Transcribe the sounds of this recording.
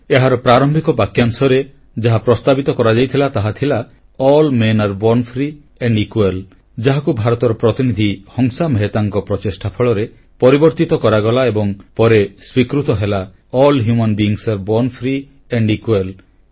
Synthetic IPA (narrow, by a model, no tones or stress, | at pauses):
eɦaɾɔpɾaɾɔmbʱikɔbakjaŋsɔɾe | d͡ʒaɦapɾɔst̪abit̪ɔkɔɾad͡ʒajt̪ʰilat̪aɦat̪ʰila | ɔlmenaɾbɔnpʰɾi | eɳɖikwel | d͡ʒaɦakubʱaɾɔt̪ɔɾɔpɾɔt̪inid̪ʱihɔŋsameɦet̪aŋkɔpɾɔt͡ʃisʈʰapʰɔɭɔɾe | pɔɾibɔɾt̪it̪ɔkɔɾaɡɔlaebɔŋpɔɾeswikɾut̪ɔɦela | ɔlɦjumɔnbiːŋsaɾbɔnpʰɾi | eɳɖikwel